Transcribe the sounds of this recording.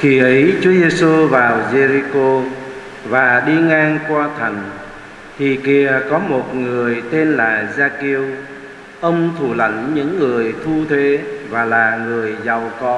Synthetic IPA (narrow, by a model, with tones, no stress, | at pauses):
xi˧˩ʔə˨˦jt͡ɕu˨˦əze˧su˧vaː˨˩wze˧ɾi˧ko˧ | vaː˨˩ɗi˧ŋaː˧ŋkwaː˧t̪ʰə˨˩ŋ̟ | t̪ʰi˨˩ki˧˩əkɔ˨˦mo˨˩t̚ŋɨ˨˩əjt̪e˧nlaː˨˩zaː˧ki˧əw | ʔə˧wŋ͡mt̪ʰu˧˩lə̰˧˦ŋɲɨ̰˧˥ŋːɨ˨˩əjt̪ʰu˧t̪ʰe˨˦vaː˨˩laː˨˩ŋɨ˨˩əjza˨˩wkɔ˧˩